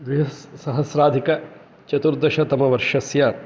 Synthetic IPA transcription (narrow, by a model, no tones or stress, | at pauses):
d̪ʋiɦɐssɐɦɐsɾaːd̪ʱikɐ | t͡ʃɐt̪uɾd̪ɐʃɐt̪ɐmɐʋɐɾʂɐsjaː